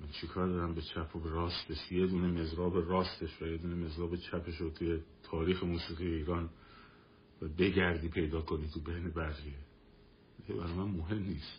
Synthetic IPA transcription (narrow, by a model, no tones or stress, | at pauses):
mænt͡ʃʰekʰɒːɾd̪ɒːɾæmbet͡ʃʰæpʰobeɾɒːst̪eʃje̞d̪uːneme̞zɾɒːbe̞rɒːst̪e̞ʃvæje̞d̪uːneme̞zɾɒːbe̞t͡ʃʰæpʰe̞ʃot̪ʰujet̪ʰɒːɾiːxe̞muːsiːɣiːjeiːɾɒːn | væbe̞ɟæɾd̪iːpʰe̞jd̪ɒːkʰo̞nit̪ʰubejnebæɾxie | iebæɾɒmænmoɦe̞mniːst̪